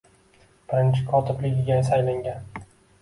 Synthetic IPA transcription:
b̥ɪɾɪnt͡ʃʰɪkʰɒt̪ʰɪblɪɪɡʲanɪsajlaŋʲan

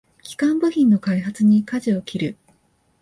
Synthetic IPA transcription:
kʲi̥kãmbɯ̟çʲĩnːo̞kaiɦat͡sɨɲ̟ikaʑio̞kʲʰiɾɯ̟

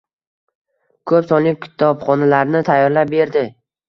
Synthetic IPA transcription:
kʰɵpsɒnlɪk̚ʲkʲʰɪ̥t̪ʰɒbχɒnalaɾnɪt̪ʰajːɒɾlap̚be̞ɾd̪ɪ

